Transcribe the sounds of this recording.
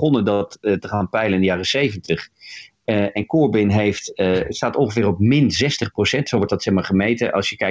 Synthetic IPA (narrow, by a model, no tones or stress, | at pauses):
χɔnədɑttəχaːnpɛjlənɪndəjaːrəsejvəntəχ | ɛnkɔːɹbɪnɦejftstaːtɔnχəvɪːrɔp̚mɪnzɛstəχprowsɛntsowʋɔɹtdɑtsɛχmaːɹχəmejtəʔɑ̰lˠsjəkɛ